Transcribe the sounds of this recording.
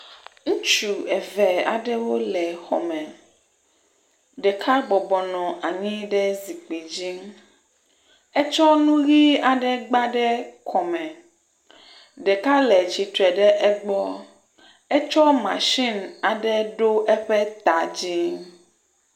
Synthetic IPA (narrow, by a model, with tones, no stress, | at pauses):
ŋũ˦t͡ʃu˨ɛ˨vɛ˨a̰˨ɖɛ˦wo˦lɛ˨xɔ˨mɛ̃˨ | ɖɛ˨kʰa˦ɡ͡bɔ˨bɔ˨nɔ̃˨ʔa˨ɲĩ˦ɖɛ˦zi˨k͡pe˨d͡ʑi˦ | ɛ˦t͡ʃɔ˦nũ˦ɣi˦a˨ɖɛ˦ɡ͡ba˦ɖɛ˦kʰɔ˨mɛ̃˨ | ɖɛ˨ka˦lɛ˨t͡ɕi˨t̪ɾɛ˨ɖɛ˦ʔɛ˦ɡ͡bɔ˦ | ɛ˦t͡ʃɔ˦mã̰˨ʃi˦na˨ɖɛ˦ɖo˦ʔɛ˦ɸɛ˦t̪a˨d͡ʑi˦